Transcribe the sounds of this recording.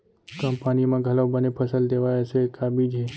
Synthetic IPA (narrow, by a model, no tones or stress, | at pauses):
kəmpanimãɡʱəlaʋbənepʰəsəld̪eʋajat͡ʃʰekʰabid͡ʒe